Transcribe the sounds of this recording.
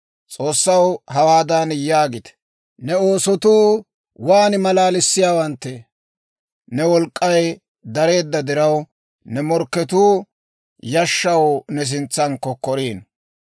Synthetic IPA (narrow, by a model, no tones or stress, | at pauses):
t͡sʼo̞ːsːɐwɦɐwaːd̪aːnjaːɡɪt̪ɛ̥ | nɛo̞ːsɔt̪uː | waːnɪmɐlaːlɪsːɪjaːwɐnt̪ːɛ | nɛwɔlkʼːɐj | d̪ɐɾe̞ːd̪ːɐd̪ɪɾɐw | nɛmɔɾkːɛt̪uː | jɐʃːɐwnɛs̬ɪnt͡sːɐnkːɔkɔɾiːn